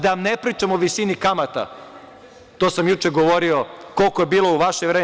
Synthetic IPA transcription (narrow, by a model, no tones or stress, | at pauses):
d̪aʋamnepɾiːt͡ʂamoʋisinikamat̪a̰ | t̪oːsamjut͡ʂeɡoʋo̞ɾio̞ko̞lˠkojebiːlˠo̞uʋaʃeʋɾeː